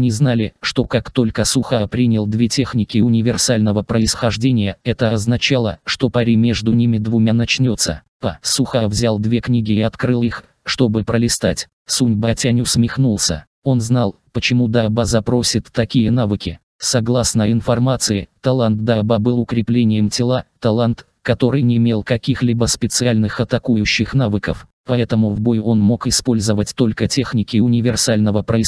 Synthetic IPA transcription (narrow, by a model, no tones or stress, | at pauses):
nʲɪznalʲɪʂt̪o̞kakt̪o̞lʲkəsʊxapɾʲinʲɪlˠd̪vʲe̞tʲe̞xnʲɪkʲɪʊnʲɪvʲɪrsalʲnəvəpɾəɪsxɐʐdʲenʲɪjəɛt̪əɐznɐt͡ɕalˠəʂt̪o̞pɐɾʲimʲe̞ʐd̪ʊnʲimʲɪd̪vʊmʲanɐt͡ɕnʲo̞t̪sə̰pasuxavzʲalˠd̪vʲe̞knʲiɡʲɪːɐt̪kɾɨlˠix | ʂt̪o̞bɨpɾəlʲɪst̪atʲ | sunʲbatʲanʲʊsmʲɪxnulˠsʲə̰ | o̞nznalˠpət͡ɕɪmud̪abazɐpɾo̞sʲɪt̪ːɐkʲijənavɨkʲɪ | sɐɡlˠasnəɪnfɐrmat̪sɨɪt̪ɐlˠant̪̚d̪ababɨlˠʊkɾʲɪplʲenʲɪjəmtʲɪlˠat̪ɐlˠant̪ | kɐt̪o̞ɾɨjnʲɪmʲelˠkɐkʲixlʲibəspʲɪt̪sɨalʲnɨxɐt̪ɐkujʊɕːɪxnavɨkəf | pɐɛt̪əmʊvbo̞jo̞nmo̞kɪspo̞lʲzəvətʲt̪o̞lʲkətʲe̞xnʲɪkʲɪʊnʲɪvʲɪrsalʲnəvəpɾəɪ